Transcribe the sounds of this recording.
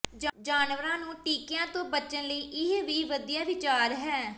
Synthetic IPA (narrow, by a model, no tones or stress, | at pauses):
d͡ʒd͡ʒaːnʋəɾãːnũːʈiːkɪjãːt̪õːbət͡ʃənləiːʔɪɦʋiːʋəd̪iːjaːʋɪt͡ʃaːɾɦɛː